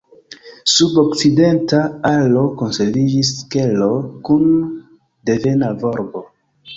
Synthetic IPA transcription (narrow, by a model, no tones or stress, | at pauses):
subo̞kt͡side̞ntaalo̞ko̞nseɾvid͡ʒiske̞lo̞kun | de̞ve̞navo̞ɾbo̞